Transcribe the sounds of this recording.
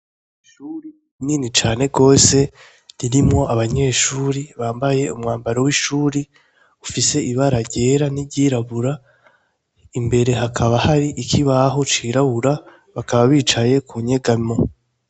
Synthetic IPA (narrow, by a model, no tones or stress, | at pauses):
ʃuɾi | niːnit͡ʃaːne̞ɡo̞ːse̞ | ɾiɾimŋo̞ʔaβaɲe̞ːʃuːɾiβaːmbaje̞umŋaːmbaɾowiʃuːɾi | ufise̞ʔiβaɾaɾɟe̞ːɾanibɟiːɾaβuɾa | imbe̞ɾe̞ɦakʰaβahaɾiʔikʰiβaɦo̞t͡ʃiːɾaβuɾa | βakaβaβiːt͡ʃaje̞kuɲe̞ɡamo̞